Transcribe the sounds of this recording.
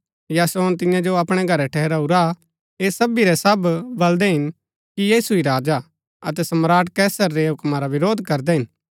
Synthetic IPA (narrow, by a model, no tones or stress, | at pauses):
jaːsoːnt̪ɪjãd͡ʒoɐpɽ̃ɛɡʱɐɾɛʈʰɛːɦɛɾauɾa | eːsɐbiɾɛsɐbbɐld̪ɛɦɪn | kijiːsuiɾaːd͡ʒa | ɐt̪ɛsɐmɾaːʈkɛːsəɾːeɦʊkmaɾaʋɪɾoːd̪ʱkɐɾd̪ɛɦɪn